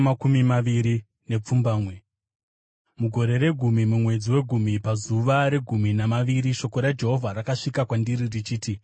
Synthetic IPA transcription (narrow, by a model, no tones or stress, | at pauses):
makumimaʋiɾi | ne̞p͡fumbaːmwe̞ | muɡʱo̞ɾe̞ɾe̞ɡʱumimumwe̞d͡ziwe̞ɡʱumipazuʋaɾe̞ɡʱuminamaʋiɾiʃo̞ko̞ɾad͡ʒe̞ɦo̞vʱaɾakaʂikakwandiɾirit͡ʃiːti